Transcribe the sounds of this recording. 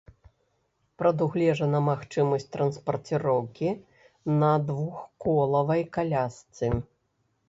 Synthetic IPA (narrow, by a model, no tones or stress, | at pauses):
pɾɐd̪uɣlʲɛʐɐnɐmaxt͡ʂɨmɐsʲtʲt̪ɾɐnspɐrt̪ʲɨɾɔwkʲi | nɐd̪vuxkɔlˠɐvɐjkalʲast̪sɨ